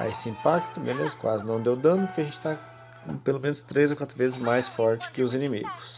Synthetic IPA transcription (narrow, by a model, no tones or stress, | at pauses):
a̰esɪĩmpakt̪ʊmḛlezʊkwa̰zɪnɐ̃w̃d̪ewd̪ɐ̃nʊpʊɾkeɐʒẽnt͡ʃɪ̥t̪ã | pelomẽnʊst̪ɾezokwat̪ɾʊvezɪzmajsfɔɾt͡ʃɪ̥kɪʊzinĩmḭɡʊs